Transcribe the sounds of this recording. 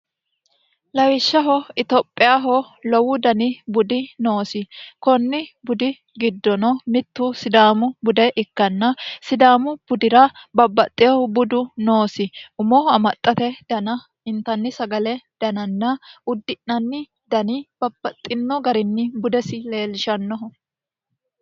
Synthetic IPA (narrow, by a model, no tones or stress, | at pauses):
lɐwɪʃːɐɦɔɪt̪ɔpʼːɪjaːɦɔ | lɔwʊd̪ɐnɪbʊd̪ɪnoːsɪkɔnːɪbʊd̪ɪ | ɡɪd̪ːɔnɔmɪt̪ːʊsɪd̪aːmʊbʊd̪ɛʔɪkːɐnːɐsɪd̪aːmʊb̥ʊd̪ɪɾɐbɐbːɐt̪ʼːɪjɔbʊd̪ʊnoːsɪʔʊmɔhɔɐmɐt̪ʼːɐt̪ɛd̪̥ɐnɐ | ɪnt̪ɐnːɪsɐɡɐlɛd̪̥ɐnɐnːɐʔʊd̪ːɪnːɐnːɪ | d̪ɐnɪb̥ɐbːɐt̪ʼːɪnːɔɡɐɾɪnːɪbʊd̪ɛsɪle̞ːlɪʃɐnːɔɦɔ